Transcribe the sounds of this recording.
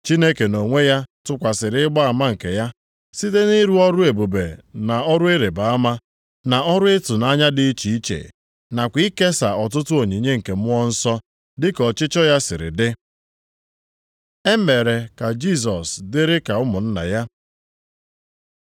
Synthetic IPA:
t͡ʃi˦ne˦ke˨no˨ŋʷe˦ja˦tʊ˦kʷa˨sɪ˨ɾɪ˦ɪ˦ɡ͡ba˦a˨ma˦ŋ̩˨ke˨ja˦ | si˦te˦ni˦ɾu˦ɔ˦ɾʊ˦e˨bu˨bḛ˨na˨ɔ˦ɾʊ˦ɪ˦ɾe˨ba˨a˦ma˦ | na˨ɔ˦ɾʊ˦e˦tʊ˨na˦ɲa˦dɪ˦t͡ʃi˨i˦t͡ʃḛ˨ | na˨kʷi˦ke˦sa̰˨ɔ˨t̬ʊ˦tʊ˦o˨ɲi˨ɲe˦ŋ̩˨ke˨m˦ɔ˦n̩˦sɔ˦ | dɪ˦kɔ˨t͡ʃɪ˦t͡ʃɔ˦ja˦sɪ˨ɾɪ̰˨dɪ˦ | e˦m˦me˨ɾe˨ka˨d͡ʒi˦s̬ɔ˨sdɪ˦ɾɪ˦ka˨ʊ˦mʊ˨n̩˦na̰˨ja˦

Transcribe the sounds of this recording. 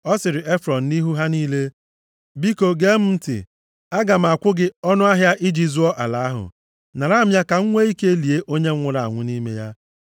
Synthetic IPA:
ɔ˦sɪ˨ɾɪ˨e˦fɾɔ˨n̩˨ni˦ɦu˦ɦa˦niː˦le˦ | bi˦ko˨ɡe˦m̩˦m̩˦tɪ̰˨ | a˦ɡa˨m̩˨a˨kʷʊ˦ɡɪ˦ɔ˦nʊ˦a˦ɦja˦ʔi˦d͡ʒi˨zu˦ɔ˦ʔa˨la˨a˦ɦʊ̰˨ | na˨ɾa˦˨mja˦ka˨ŋ̩˦ŋʷe˦i˦ke˦li˨e˦ʔo˦ɲe˦ŋ̩˦ŋʷʊ˦ɾa˨a̰˨ŋʷʊ˦ni˦me˦ja˦

